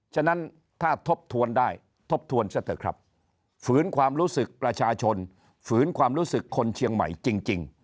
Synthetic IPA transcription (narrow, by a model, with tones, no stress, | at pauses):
t͡ɕʰa˧na˦˥n | t̪ʰaː˥˩t̪ʰo˦˥p̚t̪ʰu˧əndaː˥˩j | t̪ʰo˦˥p̚t̪ʰu˧ənsa˧˥˩t̪ʰɯː˨˩˦kʰɾa̰˦˥p̚ | fɯː˩˦nkʰwaː˧mɾuː˦˥sɯ˨˩k̚pɾa˧t͡ɕʰaː˧t͡ɕʰo˧n | fɯː˩˦˥nkʰwaː˧mɾuː˦˥sɯ˨˩kʰːo˧nt͡ɕʰi˧əŋma̰˩˦jt͡ɕi˧ŋt͡ɕi˧ŋ